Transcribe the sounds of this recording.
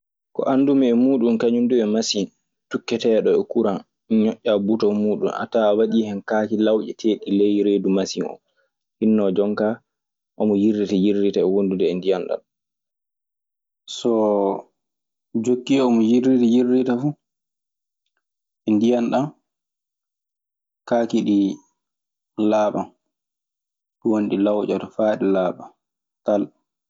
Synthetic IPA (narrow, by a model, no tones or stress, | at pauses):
kɔ̰ʔandumɛɛmuːɗunkaɲunduɛmasin | tukːɛtɛːɗɔɛkuɾan | ɲɔʔːabutɔmuːɗṵnʔa̰taːwaɗiːhɛnkaːkilawʔɛtʰeːɗilɛjɾeːdumasinɔ̰m | hinːɔd͡ʒɔŋkaː | ʔɔmɔjiritajirːitaɛwondudɛɛndijanɗa̰n | sɔ | d͡ʒokːiɔmɔjiɾitajirːitafu | ʔɛndijanɗam | kakiɗi | laːɓa | ɗuwonɗilawt͡ʃatɔfaːɗilaːɓa | tal